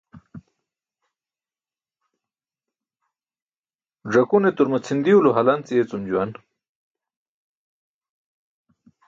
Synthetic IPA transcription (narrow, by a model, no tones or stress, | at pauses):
ʐɐkunet̪uɾmat͡sʰind̪iuloɦalant͡siet͡sumd͡ʑuwan